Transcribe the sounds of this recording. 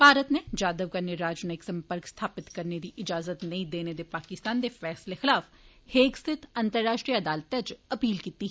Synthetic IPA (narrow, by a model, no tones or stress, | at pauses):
bʱaːɾət̪ned͡ʒaːd̪əʋkɐɾneɾaːd͡ʒnaɪksɐ̃mpəɾkst̪ʰaːpɪt̪kɐɾned̪iʔɪd͡ʒaːzət̪nɐĩd̪eːned̪epaːkɪst̪aːnd̪efɛːslexɪlaːf | heːksɪt̪ʰɐ̃nt̪əɾːaːʃʈɾiaɐd̪aːlt̪ɐt͡ʃɐpiːlkiːt̪i